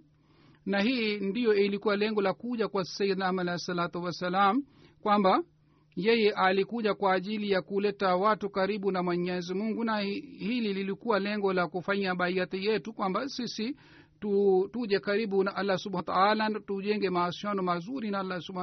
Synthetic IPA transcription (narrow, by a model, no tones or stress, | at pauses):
nahindijɔilikuwalɛŋɡɔlakuʄakwḁsaid̪nahmalajɛsalat̪uwasalam̩ | kwamba | jɛjɛʔalikuʄakwaːʄilijakulɛtawatukaɾiɓunamwɛɲɛzimuŋɡunahilililikuwalɛŋɡɔlakufaɲaɓaiat̪ijɛtukwambasisi | tutuʄɛkaɾiɓunaʔalːasuɓhat̪aalatuʄɛŋɡɛmaːsianɔmazuɾinaalːasuba